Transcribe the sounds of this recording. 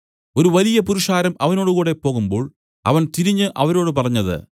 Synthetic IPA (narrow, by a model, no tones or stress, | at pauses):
o̞ɾuʋɐlijɐpuɾuʂaːɾɐmɐʋɐno̞ːɽukuːɽe̞po̞ːɣumbo̞ːɭ | ɐ̰ʋɐnt̪iɾiɲːɨʔɐʋɐɾo̞ːɽɨpɐrɐɲːɐðɨ̰